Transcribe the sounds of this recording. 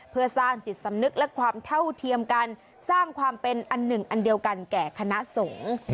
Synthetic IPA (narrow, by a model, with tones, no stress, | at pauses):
pʰɯ˥˩ɐsaː˥˩ŋt͡ɕi˨˩t̪̚sa˨˦mnɯ˦˥k̚lɛ˦˥kʰwaː˧mt̪ʰa˥˩wt̪ʰi˧əmka˧n | saː˥˩ŋkʰwaː˧mpe˧nʔa˧nːɯ˨˩ŋʔa˧ndi˧əwka˧nkɛː˨˩kʰa˧na˦˥ʔso˩˦ŋ